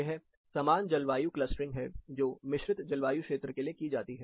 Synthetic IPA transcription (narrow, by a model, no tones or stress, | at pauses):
eɦɛ | sɐmaːnd͡ʒɐlʋaːjuklɐsʈɾɪ̃ŋɡɦɛ̰d͡ʒoːmɪʃɾɪt̪d͡ʒɐlʋaːjukʃeːt̪ɾəkeliekid͡ʒaːt̪iɦɛː